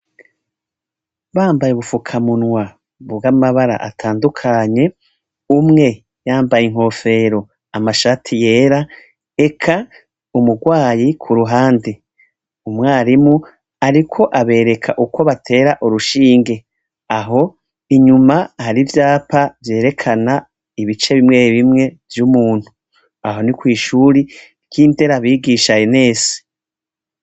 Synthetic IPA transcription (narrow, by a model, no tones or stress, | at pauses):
βaːmbajeuβufukʰamunŋwa | βbɡamaβaɾa̰ʔatʰaːndukʰaːɲe̞ | umŋe̞ | jaːmbajiŋɦo̞ːfe̞ɾo̞ | amaʃatʰije̞ːɾa | e̞kʰa | umuɡwaːjikʰuɾuɦaːndi | umŋaːɾimu | aɾikʰo̞ʔaβe̞ːɾe̞kʰaʔuko̞βatʰe̞ːɾaʔuɾuʃiːŋɡe̞ | aɦo̞ | iɲumahaɾivjaːpʰavje̞ːɾe̞kʰana | iβit͡ʃe̞βimŋe̞ːɾiβimŋe̞vjumuːn̥hu | aɦo̞nikwiːʃuɾi | kiːnte̞ɾaβiːɡiʃajene̞ːse̥